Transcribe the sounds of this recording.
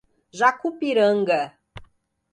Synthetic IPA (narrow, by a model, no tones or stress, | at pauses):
ʒakupiɾəŋɡə